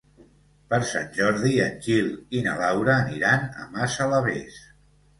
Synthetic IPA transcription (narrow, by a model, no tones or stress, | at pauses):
pəɾsa̰nʲʒɔɾðiənkilˠinə̰lawɾəːniɾanə̰masələβes